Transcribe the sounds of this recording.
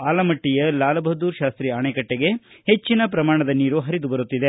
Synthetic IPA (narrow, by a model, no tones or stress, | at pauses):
aːlɐmɐʈːijɐlaːlɐbɐɦd̪uːɾʃaːst̪ɾiaːɳekɐʈːeɡe̞het͡ʃːinɐpɾɐmaːɳɐd̪ɐniːɾuɦɐɾid̪ubɐɾut̪ːid̪e̞